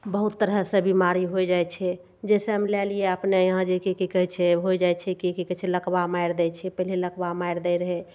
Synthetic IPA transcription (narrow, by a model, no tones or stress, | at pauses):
bəɦut̪ːəɾɦəsẽbimaɾiɦojd͡ʒajt͡ʃʰɛ | d͡ʒɛseɦəmlɛlijeəpnejəɦãd͡ʒekekekəɦɛt͡ʃʰɛɦojd͡ʒajt͡ʃʰɛkekekəɦt͡ʃʰɛləkbamajɾd̪ɛt͡ʃʰɛpəɦleləkbamajɾd̪ɛɾəɦɛ